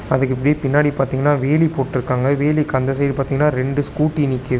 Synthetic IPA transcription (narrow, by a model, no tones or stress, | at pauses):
ɐðɯkːɪpːɐɽijeːpɪnːaːɽipaːɾt̪iːŋɡɐnːaːʋeːlipoːʈːɪɾɯkːaːŋɡɐʋeːlikɐnd̪ɐs̬ɐjɾɯpaːɾt̪iːŋɡɐnːaːɾɛɳɖɯskuːʈːinɪkːɐðɯ